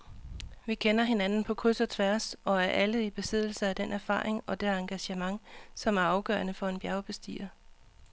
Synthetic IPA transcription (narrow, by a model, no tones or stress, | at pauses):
ʋikʰenɐɦe̝nænn̩pʰɒ̽kʰusɐt͡sʰʋæɐsɒ̽æɐʔæləib̥e̝sið̰ˠl̩sɐæd̥enʔæɐfɑ̰̈ːʁeŋɒ̽d̥eɑ̈ŋɡ̥æɕəmɑ̈ŋsɒ̽mæɐɑ̈ʊɡ̥ɶ̰ːɐnəfɒ̽e̝nb̥jæʊb̥e̝sd̥ḭːɐ